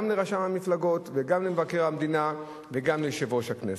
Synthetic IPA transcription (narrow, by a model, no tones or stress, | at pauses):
amleʁaʃamhamiflaɡo̞t̪veɡamlemvake̞ʁhamd̪ina | veɡamleʃevo̞ʃhaknes